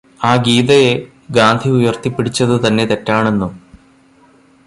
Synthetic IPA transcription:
aːɡiːðɐje | ɡaːnd̪ʱiujɐrt̪ipːiɽit͡ɕːɐðɨt̪ɐnːe̞t̪e̞tːaːɳe̞nːum

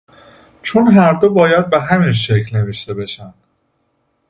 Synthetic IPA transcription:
t͡ʃʰonɦæɾd̪obɒːjæd̪̚beɦæminʃeclne̞veʃt̪e̞be̞ʃænd̪̥

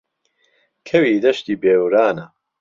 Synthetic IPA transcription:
kʰɐwiːd̪ɐʃt̪iːbeːwɾaːnɐ

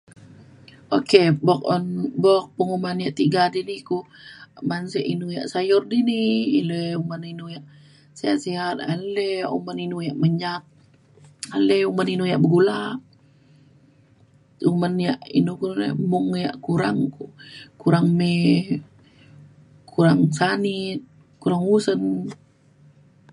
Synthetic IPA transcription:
okebɔk̚ɔnbɔk̚pəŋumanjaʔt̪iɡadinikumanseʔinuja̰ʔsajʊrdiniḭleuməninujaʔ | siaʔsiɦat̪̚a̰leṵməninujaʔməɲat̪̚ | aleuməninujaʔbəɡulaʔ | umənjaʔḭnukunḛmuŋjaʔkuɾaŋkukuɾaŋme | kʰuɾaŋsanit̪̚ | kuɾaŋusən

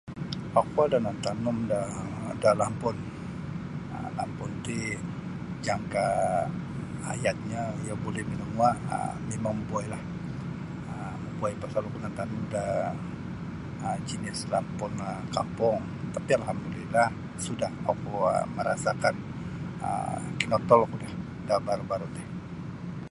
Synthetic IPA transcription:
akuadanant̪anʊmdadalampʊn | ə̰la̰mpʊnt̪i | d͡ʒaŋka | jat̪̚ɲajabolɛhmənəmuaə̰ | memaŋbuajlah | ə | məbuajpasalukunant̪anuda | əd͡ʒinɪslampʊnəka̰mpɔŋ | t̪apialɦamdulilah | sudaha̰kuə̰məɾʔa̰sakan | ə̰kinɔt̪ɔlkudah | dabaɾubaɾut̪ɛh

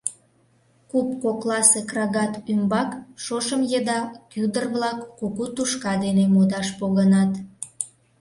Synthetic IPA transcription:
kup̚koklɑsekrɑɣɑt̪ymbɑkʃoʃəmjed̪ɑkyd̪ərβlɑkːokut̪uʃkɑd̪enemod̪ɑʃpoɣənɑt̪

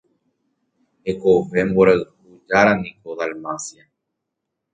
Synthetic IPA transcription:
ekovemboɾeðhud͡ʒaɾanikoðalmasja

